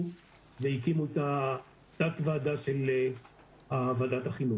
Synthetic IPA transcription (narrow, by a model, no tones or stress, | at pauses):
veikimuet̪a | t̪atvaːdaʃele | aːvadat̪haχinu